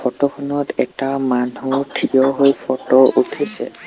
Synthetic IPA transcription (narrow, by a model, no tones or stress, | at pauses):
fɔtɔkʰɔnɔtɛtaman̤utʰijɔɦojpʰɔtɔutʰisɛ̰